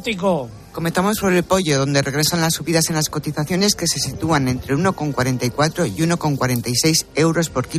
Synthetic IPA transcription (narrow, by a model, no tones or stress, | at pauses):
t̪iko | ko̞met̪amo̞spo̞ɾe̞lpo̞ʝo̞ðo̞nd̪ere̞ɣ̞ɾe̞sanlasːuβiðase̞nlasko̞t̪iθaθjo̞ne̞ske̞se̞sit̪uane̞nt̪ɾe̞uno̞ko̞ŋkwaɾe̞nt̪aikwat̪ɾo̞iuno̞ko̞ŋkwaɾe̞nt̪ajse̞jse̞wɾo̞spo̞ɾki